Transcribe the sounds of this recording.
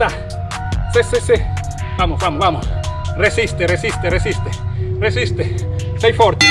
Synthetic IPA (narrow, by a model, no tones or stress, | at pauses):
a | sesese | famofamowamoresist̪eresist̪eresist̪eresist̪esejfɔɾt̪e